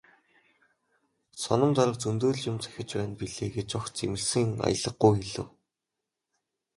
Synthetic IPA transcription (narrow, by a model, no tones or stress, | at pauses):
sɔnə̆mt͡s̪aɾə̆k̚t͡sɵnt̪oːɮt͡ɕʊmt͡sʰæ̥xʲɪ̆t͡ɕpæːnpiɮeːɡet͡ɕɔxt͡semɘ̆ɮsɘ̆ŋa̰jə̆ɮə̆ɡːujxeɮɘ̆w